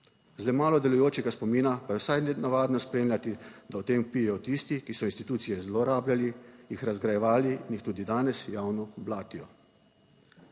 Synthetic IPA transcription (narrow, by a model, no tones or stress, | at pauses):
zlɛmaːlɔd̪ɛlujoːt͡ʃɛɡaspɔmiːnapajɛwsajnɛnaʋaːd̪nɔspɾeːmlʲat̪id̪aɔt̪eːmpiːjɛjɔt̪ist̪ikisɔinst̪it̪uːt̪sijɛzloɾaːblʲjalijixɾazɡɾajɛʋaːlinjixt̪uːd̪id̪aːnɛsjaːwnɔblaːt̪iɔ